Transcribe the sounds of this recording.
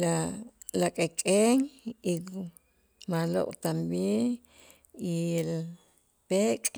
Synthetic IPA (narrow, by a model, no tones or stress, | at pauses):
lalakʼekʼeŋi | malo̰ʔʼt̪ambjeŋ | il | pekʼ